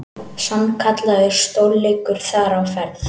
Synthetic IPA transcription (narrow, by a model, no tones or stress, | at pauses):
samkʰat̪laðʏɾ̥st̪owlːejkʏɾ̥θaɾawfɛɾθ